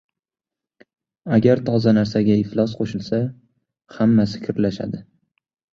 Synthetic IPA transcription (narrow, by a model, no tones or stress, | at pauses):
aɡʲaɾt̪ʰɒzanaɾsaɡʲaɪflˠɒsqʰoʃɪlsa | hamːasɪ̥kʲʰɪɾlaʃa̰d̪ɪ